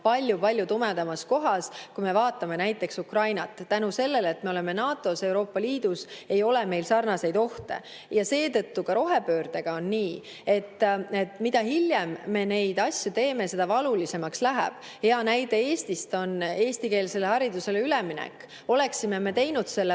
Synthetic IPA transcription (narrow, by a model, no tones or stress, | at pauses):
pɑlʲjupɑlʲjut̪umed̪ɑmɑsko̞ɦɑskujme̞vɑːt̪ːˑɑme̞næjt̪ːˑe̞ksukrɑjnɑt̪ˑːænuse̞lːe̞let̪me̞o̞le̞menɑːt̪ːˑo̞se̞wɾo̞ːpːɑliːd̪̥use̞jo̞leme̞jlsɑrnɑse̞jd̪o̞ht̪e̞̰ | jɑse̞ːt̪ɤ̞t̪ːukɑɾo̞ɦe̞pø̞ːrd̪̥e̞ɡ̥ɑo̞nːiː | e̞t̪ːe̞t̪ːˑmid̪̥ɑɦiljemːe̞ne̞jd̪̥ɑsʲjut̪e̞ːme̞se̞d̪ɑvɑlulise̞mɑkslæɦæ̰b̥ | he̞ɑnæjd̪e̞eːst̪ist̪o̞ne̞ːst̪ike̞ːlse̞lehɑɾid̪use̞leylɛminɛ̰kː | o̞le̞ksime̞me̞t̪e̞jnud̪̥se̞lː